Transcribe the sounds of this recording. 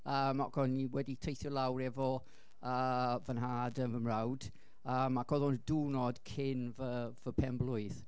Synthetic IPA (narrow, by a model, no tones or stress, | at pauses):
əːmːɔ̰ʔkʰɔniwɛditʰejθjɔlˠawɾɛvɔ | əːvənɦaːdənvəmrawd̥ | əːmːakʰɔðɔnduːnɔd̥kʰɪnvəvəpʰɛmblˠʊɨð